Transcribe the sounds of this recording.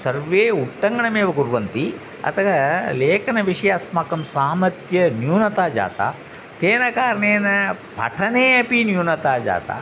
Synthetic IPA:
sɐɾʋeːuʈːɐŋɡɐɳɐmeːʋɐɡuɾʋɐnt̪i | ɐ̰t̪ɐɡɐleːkɐnɐʋiʂɐjaːsmakɐmsaːmɐt̪jɐnjuːnɐt̪aːd͡ʒa̰ːt̪a̰ː | t̪eːnɐkaːɾɐɳeːnɐpʰɐ̰ʈʰɐneːɐpinjuːnɐt̪aːd͡ʒa̰ːt̪a̰ː

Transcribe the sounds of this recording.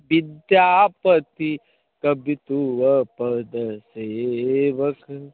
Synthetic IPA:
ʋid̪jaːpɐt̪i | kɐbit̪uʋɐpɐd̪ɐseːʋɐk

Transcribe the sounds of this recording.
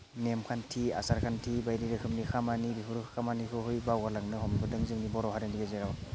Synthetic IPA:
nemkʰantʰia̰saɾkʰantʰibajɾiɾɯkʰɯmnikʰamaniɾiɦʰuɾɯkʰkʰamanikʰɯɦɯjbawɡalaŋnɯhɔmbʰɯdɯŋzɯŋnibɔɾɔɦaɾendiɡazeɾaw

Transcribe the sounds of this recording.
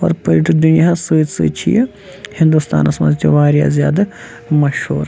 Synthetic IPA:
ɔ̰ːɾpəɾiʈd̪unijasəːt̪sɨ̰ːt͡ʃʰḭjɐ | hɪnd̪ust̪a̰ːnɐsmɐ̰zt̪eʋaːɾja̰zjaːd̪a | mɐʃhṵːɾ

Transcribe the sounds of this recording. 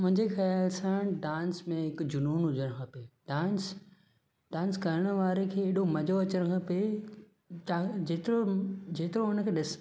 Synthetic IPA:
mʊ̃ɦɪ̃ɲd͡ʑexɐjaːlsãɖãːnsmẽɦɪkd͡ʑʊnuːnɦʊd͡ʑəɽ̃kʰapeɖãːns | ɖãːnskɐɾɽ̃ə̆ʋaːɾekʰeːɗomɐd͡ʑoɐt͡ɕəɽ̃kʰape | ad͡ʑeːt̪ɪɾod͡ʑeːt̪ɪɾõʊnəkʰeːɗɪs

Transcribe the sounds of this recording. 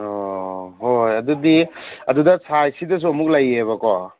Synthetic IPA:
oɦojɐdudiɐdudɐsʰajsidɐs̬uɐmuk̚lajeβɐkɔ

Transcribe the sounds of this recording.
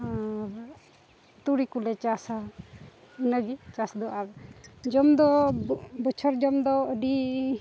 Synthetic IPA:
t̪uɽikulɛt͡ʃasa | inaɡit͡ʃasd̪ɔad͡ʒɔmd̪ɔ | bət͡ʃʰɔɾd͡ʒɔmd̪ɔəɖi

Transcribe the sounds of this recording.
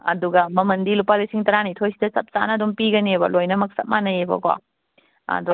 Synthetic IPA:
ɐ̰duɡɐmɐmɐndilopalisiŋtɐɾanitʰojsidɐsɐp̚t͡ʃa̰nɐːdumpiɡɐnebɐ̰lojnɐmɐk̚sɐp̚manɐebɐ̰ka̰ | ɐ̰du

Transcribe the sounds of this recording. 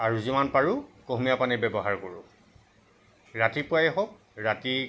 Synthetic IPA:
aɹuzimanpaɹukoɦmiapanɛbɛbɔɦaɹkoɹʊ | ɹatipʊajɛɦɔk̚ | ɹati

